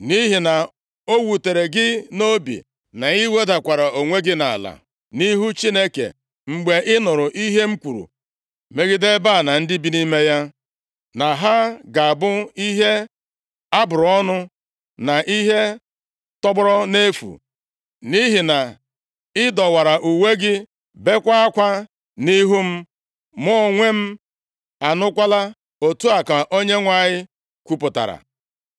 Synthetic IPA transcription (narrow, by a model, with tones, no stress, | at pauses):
ni˦ɦi˨na˨ | o˦wu˨te˨ɾe˨ɡɪ˦no˦bḭ˨ | na˨i˦we˦da˨kʷa˨ɾa˨o˨ŋʷe˦ɡɪ˦na˨a̰˨la̰˨ | ni˦ɦu˦t͡ʃi˦ne˦kḛ˨ | ŋ͡m̩˨ɡ͡be˨ʔɪ˦nʊ˨ɾʊ˨ʔi˦ɦe˦ŋ͡m̩˦kʷu˨ɾṵ˨ | me˦ɡɪ˦de˦ba˦˨na˨n̩˦dɪ˦bi˦ni˦me˦ja˦ | na˨ɦa˦ɡa˨a˨bʊ˦i˦ɦe˦ | ta˦bʊ˨ɾɔ˦nʊ˦ | na˨ʔi˦ɦe˦ | tɔ˦bʊ˦ɾɔ˦ne˦fṵ˨ | ni˦ɦi˨na˨ | ɪ˦dɔ˨wa˨ɾa˨ʔu˨we˦ɡɪ˦ | be˦kʷa˦a˦kʷa˦ | ni˦ɦu˦m̩˦ | mɔ˦˨ŋʷe˦m̩˦ | a˨nʊ˦kʷa˦la˦ | o˨tu˦a˨ka˨ʔo˦ɲe˦ŋʷa˨ɲɪ˦ | kʷu˦pʊ˨ta̰˨ɾa̰˨